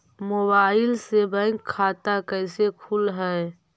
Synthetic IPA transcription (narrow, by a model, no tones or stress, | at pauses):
mobaːɪlsebə̃ŋkʰːaːt̪akəɪsekʰulɦɛe